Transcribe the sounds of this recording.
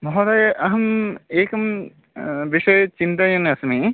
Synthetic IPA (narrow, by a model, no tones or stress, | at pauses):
mɔɦod̪ajʔɐɦɐmeːkɐm | ʋiʃɐjt͡ʃint̪ɐjoneɐsɐmi